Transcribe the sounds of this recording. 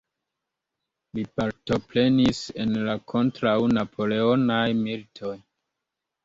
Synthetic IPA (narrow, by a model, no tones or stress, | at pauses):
lipaɾto̞pɾe̞nise̞nlakʰo̞ntɾawnapʰo̞le̞o̞najmiltʰo̞j